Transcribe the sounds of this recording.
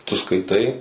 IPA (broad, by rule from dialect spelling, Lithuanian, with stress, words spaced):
tʊ skɐɪˈtɐɪ